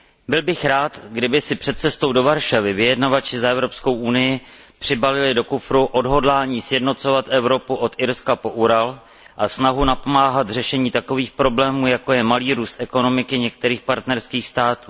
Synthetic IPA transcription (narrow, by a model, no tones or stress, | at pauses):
bɪlbɪxɾaːt̪ɡdɪbɪsɪpr̥ɛt̪̚t͡sɛst̪o̞wdo̞vaɾʃavɪvɪjɛdnavat͡ʃɪzaʔɛvɾo̞psko̞wʔunɪjɪ | pr̝̥ɪbalɪlɪdo̞kufɾuʔo̞dɦo̞dlaːɲiːsjɛdno̞t͡so̞vat̪ʔɛvɾo̞puʔo̞t̪ʔɪɾskapo̞ʔuɾal | ʔasnaɦunapo̞maːɦat̪r̝ɛʃɛɲiːt̪ako̞viːxpɾo̞blɛːmuːjako̞jɛmaliːɾuːst̪ʔɛko̞no̞mɪkɪɲɛk̚t̪ɛɾiːxpaɾt̪nɛɾskiːxst̪aːt̪uː